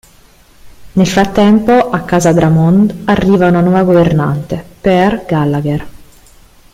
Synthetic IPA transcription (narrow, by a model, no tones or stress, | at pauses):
nelfɾat̪ːɛmpoʔakːaːzad̪ɾamond̪arːiːvaunanwɔːvaɡoverna̰nt̪eperɡalːaɡer